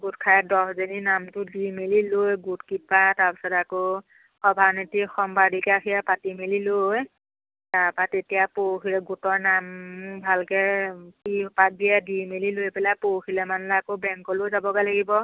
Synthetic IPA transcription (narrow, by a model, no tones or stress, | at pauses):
ɡutkʰajɛdɔszeninamtʊdimelilojɡutkipataɹpisɔtako | xɔbʱanitikxɔmbadikaxʰijapatimeliloj | taɹpatetijapoxʰilɛɡutɔɹnambʱalkɛkipat̚dijadimelilojpɛlapoxʰilɛmanlaakobɛŋkɔlojzabɔɡalaɡibɔ